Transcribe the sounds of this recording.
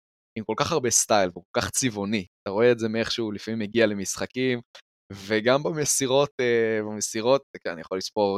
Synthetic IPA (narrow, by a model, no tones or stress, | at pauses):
imko̞lkaχaʁbe̞st̪ajlveuko̞lkaχt͡sivoniat̪aʁo̞eːze̞mieχʃeulifamimːeɡiale̞misχakim | ve̞ɡambamesiʁo̞t̪ebamesiʁo̞t̪̚keanijaχolispo̞ʁ